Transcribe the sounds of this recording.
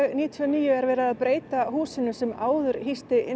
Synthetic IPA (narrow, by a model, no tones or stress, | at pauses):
niːt̪ʰiɔniːjʏɛɾvɛːɾaðaðpɾeːjt̪ahuːsɪnʏsɛmaːwðʏɾhist̪ɪʔɪ̰